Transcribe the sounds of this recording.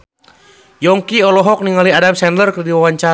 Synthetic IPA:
jɔŋkiɔlɔɦɔk̚niŋaliadamsɛndlərkərdiwawaɲt͡ʃa

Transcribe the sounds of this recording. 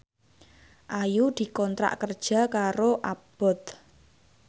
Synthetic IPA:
ʔajud̪̥i̤kɔnt̪ɾa̰ʔkərd̥ʒ̥a̤kaɾoʔab̥ɔ̤t̪

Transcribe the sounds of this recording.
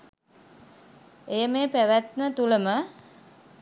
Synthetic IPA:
ejəmeːpæʋæt̪mət̪uləmə

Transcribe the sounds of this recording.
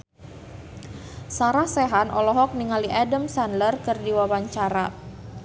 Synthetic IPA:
saɾahsɛɦanɔlɔɦɔk̚niŋaliʔadəmsandlərkərdiwawaɲt͡ʃaɾa

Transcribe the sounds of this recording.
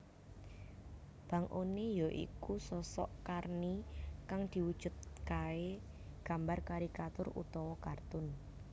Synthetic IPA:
b̥a̤ŋʔonejɔʔḭkusɔsɔ̰ʔkarnikaŋd̪̥i̤wud̥ʒ̥ʊ̤t̪̚kae | ɡ̥a̤mbarkaɾikat̪ʊrṵt̪ɔwɔkart̪ʊn

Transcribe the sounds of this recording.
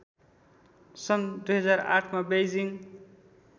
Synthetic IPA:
sʌnd̪ujɦʌd͡zaɾa̰ʈʰmabejd͡ziŋ

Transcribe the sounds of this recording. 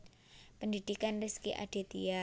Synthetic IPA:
pəndid̥ikanriskiʔa̰d̥e̤t̪ḭa

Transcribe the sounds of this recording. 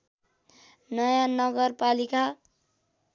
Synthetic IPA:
nʌjanʌɡʌrpalika

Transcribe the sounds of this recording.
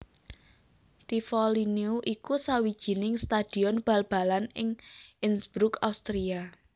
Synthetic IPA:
t̪ifɔlineuʔikusawid̥ʒ̥i̤nɪŋst̪ad̪̥i̤ɔnb̥a̤lb̥a̤lanɪŋɪnsb̥ɾʊkaust̪ɾia

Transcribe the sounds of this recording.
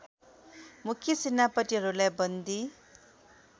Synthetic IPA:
mukʰːjisinːapʌʈiɦʌɾulajbʌnd̪i

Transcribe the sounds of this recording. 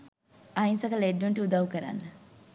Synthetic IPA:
ainsɐkɐleɖːuɳʈəud̪aʋukəɾa̰nːə

